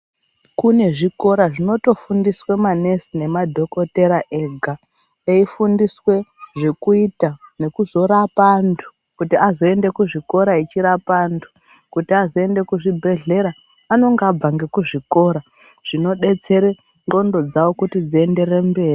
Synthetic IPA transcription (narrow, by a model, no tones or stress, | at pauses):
kune̞ʐiko̞ɾaʐino̞to̞fundiswemane̞sine̞madʱo̞ko̞te̞ɾaʔeɡʱa | eifundiswe̞ʐe̞kuitane̞kuzo̞ɾapantʰu̥ | kutiazo̞e̞nde̞kuʐiko̞ɾait͡ʃiɾapantʰu̥ | kutiazo̞e̞nde̞kuʐibʱe̞ɮe̞ɾaː | no̞ŋɡab͡vaŋɡe̞kuʐiko̞ɾa | ʐ̥ino̞ɗe̞t͡se̞ɾe | ŋɡo̞ndo̞d͡zawo̞kutid͡zie̞nde̞re̞mbe̞ːri